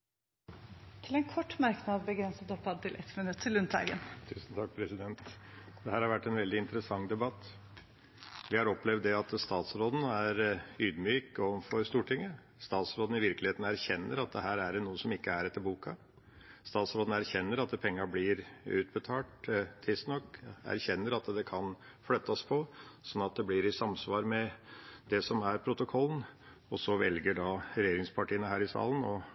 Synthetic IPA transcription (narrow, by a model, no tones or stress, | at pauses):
t̪ʰɪlɛnkʰɔʈːmæɾknɑd̪bəɡɾɛnsət̪ɔpːɑd̪̚t̪ɪlʔɛt̪mɪnʉt̪ʰːɪlʉnt̪ɑ̰ɡə̰nt̪ʰʉ̰ːsn̩t̪ʰɑk̚ːpʰɾɛsɪd̪ɛnt̪d̪̥ɛɦæːɾhɑɾʋæʈːɛnʋɛld̪ɪɪnt̪əɾəsɑŋd̪ɛbɑt̪ː | ʋɪhɑɾɔplɛvd̪ːɛɑt̪st̪ɑːt̪sɾoːd̪n̩æɾyːd̪myːkoʋənfɔɾst̪uːʈʰɪŋːə | st̪ɑːt̪sɾoːd̪n̩ɪʋɪɾklɪheːt̪n̩æɾçɛnːəɾɑt̪̚d̪ɛɦæːɾæɖɛnuːəsɔmɪkːəæɾɛt̪ːəɾbuːkɑ | st̪ɑːt̪sɾoːd̪n̩æɾçɛnːəɾɑt̪̚ɛpʰɛŋːɑblɪɾʉ̰ːt̪̚bət̪ʰɑːʈt̪ʰːɪst̪nɔkːæ̰ɾçɛnːəɾɑt̪d̪ɛkʰɑn | flœt̪ːɑspʰɔsɔnːɑt̪̚d̪ɛblɪɾɪsɑmsʋɑːɾmɛd̪ɛsɔmæɾpʰɾʊt̪ʊkʰɔlːən̩ | ɔsɔʋɛlɡəɖɑɾɛjeːɾɪŋspʰɑʈiːənəhæːɾɪsɑ̰ːlənɔ